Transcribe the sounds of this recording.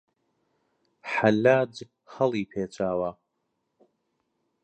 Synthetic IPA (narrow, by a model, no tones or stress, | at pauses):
ħalaːd͡ʒ | hɐlˠiːpʰeːt͡ʃʼaːwa